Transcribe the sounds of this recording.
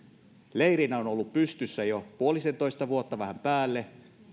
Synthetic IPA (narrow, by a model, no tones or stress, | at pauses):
leiɾinæonolːuppyst̪ysːæjopuolisent̪oist̪ɑʋuot̪ːɑʋæhæmpæːlːe